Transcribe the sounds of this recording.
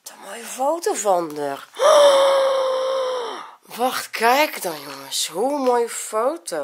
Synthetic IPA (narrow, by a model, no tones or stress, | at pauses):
d̥ɔmojəfowtovɔndər | ʋɑxtkʰɛjkdɔnjoŋəshumojəfoːtʰo